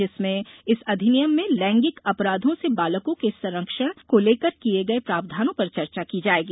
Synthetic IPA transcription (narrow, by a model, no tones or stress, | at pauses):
d͡ʒɪsmẽɪsɐd̪ʱɪnɪjəmːẽlɛ̃ːŋɡɪkɐpɾaːd̪ʱõsebaːləkõkesɐ̃ɾəkʃəɽ̃koleːkəɾkieɡɐepɾaːbd̪ʱaːnõpɐɾt͡ʃɐɾt͡ʃakid͡ʒaːeːɡiː